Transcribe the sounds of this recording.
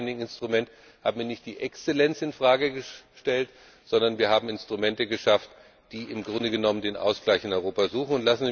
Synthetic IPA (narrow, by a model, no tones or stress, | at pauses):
nɪŋɪnstʁ̥umɛnt | haːbm̩viːɐnɪçt̚d̥iːʔɛkst͡selɛnt͡sɪnfʁ̥aːɡəɡəʃtɛlt | z̥ɔndɐnviːɐɦaːbm̩ɪnstʁ̥umɛntəɡəʃaft | d̥iːɪmɡʁʊndəɡənɔməndeːnʔa̰ʊsɡ̥laɪçɪnɔʏʁoːpazuːxn̩ʊntlasn̩zi